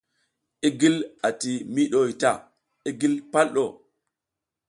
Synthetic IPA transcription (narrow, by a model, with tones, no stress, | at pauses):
ʔe˦ɡi˦la˨ti˨mi˦ɗo˦i˨ta˨ | e˦ɡi˦lpa˦lɗo˨